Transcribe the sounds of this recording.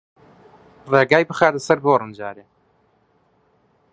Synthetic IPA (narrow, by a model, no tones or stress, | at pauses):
reːɡaːjbɨxaːd̪ɐsɐɾboːrɨnd͡ʒaːɾeː